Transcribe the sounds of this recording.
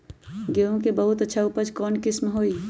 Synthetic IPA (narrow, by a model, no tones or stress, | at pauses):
ɡeõkebəɦʊt̪ətːʃʰaupəd͡ʒkɔːnkɪsmɦoːi